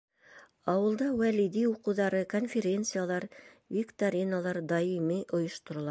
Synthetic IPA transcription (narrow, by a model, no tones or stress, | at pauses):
ɑwɤ̆lˠd̪ɑwælid̪iuqɤ̆wðɑɾɤkonfʲeɾʲent̪sɨjalˠɑɾ | vʲɪkt̪aɾʲinalˠɑɾd̪ɑimiʔŏjŏʃt̪ŏɾŏlˠɑ